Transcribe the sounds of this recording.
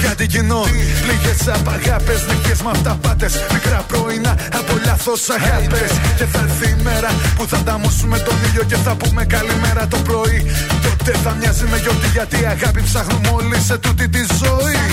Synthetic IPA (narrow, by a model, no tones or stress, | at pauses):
kɐt̪icinopliʝesɐpɐɣɐpeznipjezmɐft̪ɐpɐt̪e̞smikɾɐpɾo̞inɐɐpo̞ʎɐθo̞sɐɣɐpesce̞θɐɾθiːme̞ɾɐpuθɐnd̪ɐmusume̞t̪o̞niʎo̞ce̞θɐpume̞kɐlime̞ɾɐt̪o̞pɾo̞it̪et̪eθɐmɲɐzimeʝo̞t̪iʝɐt̪iɐɣɐpipsɐɣnumo̞lise̞t̪ut̪it̪izo̞i